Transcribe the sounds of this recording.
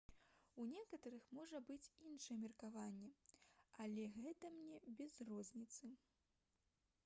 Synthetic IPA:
unʲɛkɐt̪ɐɾɨxmɔʐɐbɨt͡sʲinʂɐjɛmʲirkavanʲːɛalʲɛɣɛt̪ɐmnʲɛbʲɛzrɔzʲnʲit̪sɨ

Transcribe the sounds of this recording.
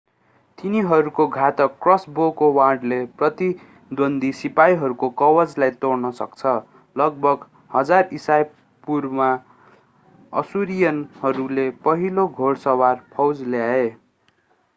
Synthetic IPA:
t̪iniɦʌɾukoɡʱat̪ʌkːrʌsbokowaɖleprʌt̪i | d̪ond̪isipaiɦʌɾukokʌwʌd͡zlajt̪ornʌsʌkt͡sʰʌ | lʌɡ̚bʱʌɡ | hʌd͡zarisaj | purma | ʌ̰suɾijʌnhʌɾulepʌɦiloɡʱoɽsʌwarpʰʌwd͡zljae

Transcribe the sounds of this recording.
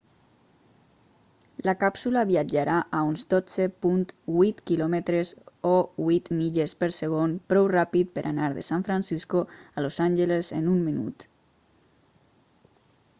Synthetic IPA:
lakapsulaβiad͡ʒaɾaʔaunzd̪od͡zepunt̪βwit̪kilɔmet̪ɾesowit̪miʎespeɾseɣ̞onpɾɔwrapit̪̚peɾʔanaɾðḛsaɱfɾansiskoalozanʲʒelezḛnumminṵt̪

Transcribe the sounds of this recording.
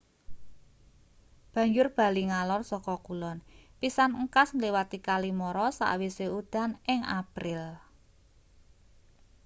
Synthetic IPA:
b̥ä̤ɲd͡ʒʊrb̥a̤liŋalɔrsɔkɔkulɔnpisanəŋkasŋliwat̪ikalimɔɾɔsa̰ʔwiseud̪̥a̤nɪŋa̰pɾɪl

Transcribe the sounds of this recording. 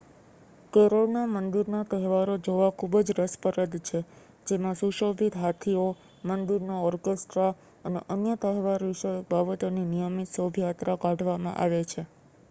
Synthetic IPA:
kəɾonamənd̪iɾnat̪əɦʋaɾod͡ʒoʋakʰubəd͡ʒɾəspəɾəd̪t͡ʃʰe | d͡ʒemãsuʃobʱit̪ɦat̪ʰio | mənd̪iɾnaɔɾkesʈɾa | ənḛʔənjət̪əɦʋaɾʋiʃəjok̚babət̪oninijəmit̪səbʱjat̪ɾakãɖʱʋamã̰ʔa̰ʋet͡ʃʰe

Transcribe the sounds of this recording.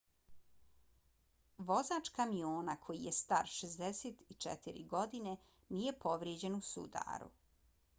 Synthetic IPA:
ʋo̞zaːt͡ʃkamioːnakʰo̞jijest̪a̰ɾʃezd̪eset̪it͡ʃḛt̪iɾḭɡo̞d̪ine̞ | nijepʰo̞ʋɾjed͡ʑe̞nusṵd̪a̰ːɾṵ

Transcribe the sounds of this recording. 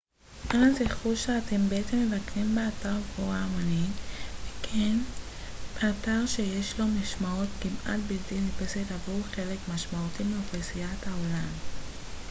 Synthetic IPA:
ʔazeχuʃeatʰe̞mbeetemːe̞vakʁimbeataʁɡvoʁamonivekʰen | b̥eataʁʃejeʃlo̞maʃmaotkimʔa̰tbiltinipesetavuʁχe̞le̞kmaʃmautimeofasijathao̞lam

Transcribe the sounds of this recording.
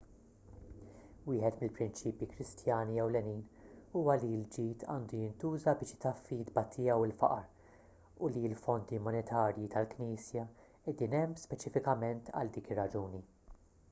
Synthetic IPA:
wɪːħɛt̪mɪlpɾɪnt͡ʃiːpjikɾɪst̪jɐːniɛwlɛniːnuːwɐliɪld͡ʒiːt̪ʰɐ̰ːnd̪ujɪnt̪uːzɐbɪːʃɪ̥t̪ɐfːiːd̪bɐt̪ʰɪjɛwɪlfɐ̰ʔɐɾ | ʊliɪlfɔnd̪imɔnɛt̪ʰɐːɾjit̪ɐlkniːsjɐ | ɛd̪iːnɛmːspɛt͡ʃɪfɪkɐmɛnt̪ɐ̰ld̪iːkɪrːɐd͡ʒuːni

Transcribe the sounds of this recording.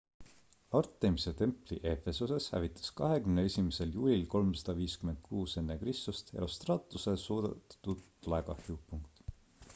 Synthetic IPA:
ɑrt̪ːˑemise̞t̪e̞mpliʔe̞fe̞suse̞shæ̰vit̪ʰˑːɑ̥skɑɦe̞kymnee̞sʲimese̞ljuːlʲilko̞lmsɑ̥d̪̥ɑviːskyme̞nd̪̥̚kʰuːse̞nːe̞krist̪ust̪eɾost̪rɑːt̪ːˑuse̞suːd̪̥et̪t̪ːud̪ | læɡɑhiupːuŋkt̪ˑ

